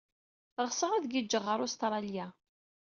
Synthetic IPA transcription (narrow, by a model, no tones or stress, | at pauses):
ʁsəʁæðɡid͡ʒːəʁːəɾˤʊst̪ɾˤɑlja